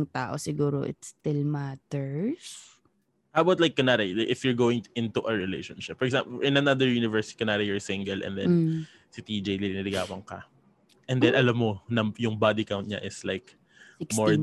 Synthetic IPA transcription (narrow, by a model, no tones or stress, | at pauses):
ŋt̪a̰ːʔosɪɡuːɾo̰ʔɪ̰t̪st̪ɪlmat̪ɛɹs | ʔawbawt̪lajkːɐnad̪ɐjlaʔɪfjʊɹɡoːwɪ̃ŋʔɪ̃nt̪uʔɐɹɪlḛjʃɔ̃nʃɪp̚ːɔɛksa̰mplʔɪ̃nɐnad̪ɛɹjuːnɪvɛɹskɐnaːɾɐjɔɹsɪ̃ŋɡɛlʔɛ̰̃nd̪ɛ̰n | sɪt̪id͡ʒejlilnɪlɪɡa̰ːwɐŋkɐ̰ | ʔɛ̃nd̪ɛnʔɐlamːonɐjʊŋbad̪ɪkawnt̪̚ɲa̰ʔɪslajk | moɹ